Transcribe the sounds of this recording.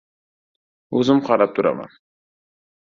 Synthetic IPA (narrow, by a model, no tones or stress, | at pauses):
ɵzɪmqʰɑɾap̚t̪ʰʊɾa̰ma̰n